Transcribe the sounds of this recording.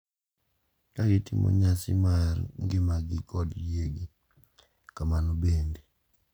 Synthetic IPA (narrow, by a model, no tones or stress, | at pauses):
kaɡɪtɪmʔo̰ɲasɪ̰marŋɡɪmaɡɪkɔdeɡi | kamanobende